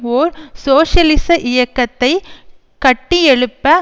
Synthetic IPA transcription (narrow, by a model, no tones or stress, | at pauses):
oːɾsoːʂɐlɪsɐʔɪjɐkːɐt̪ːɐɪ | kɐʈːiɛɭɯpːɐ